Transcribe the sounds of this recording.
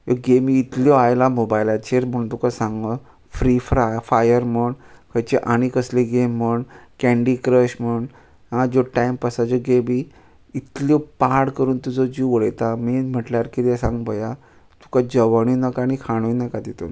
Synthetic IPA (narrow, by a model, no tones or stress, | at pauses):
joɡemiːt̪ljɔajlamobajlat͡ɕʰeɾm̤əɽũːnt̪ukasãŋɡə | fɾifɾafajəɾməɳkʰəjt͡ɕeʔaɽ̃ikəsleɡemːəɳkɛ̃ɳɖikɾəɕm̤əɳ | ɦãd͡ʑɔʈaimpəsad͡ʑɔɡemi | it̪lɔpaɽkəɾuːnt̪ud͡zɔd͡ʑiʋəɭəjt̪amim̤əʈljaɾkit̪asãŋɡbəja | t̪u̥kad͡ʑəʋaɽ̃inəkañikʰaɽ̃oinəkad̪it̪o̰n